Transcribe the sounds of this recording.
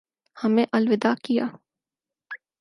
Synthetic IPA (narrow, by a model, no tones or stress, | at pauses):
hɐmẽʔɐlʋɪd̪akija̰ː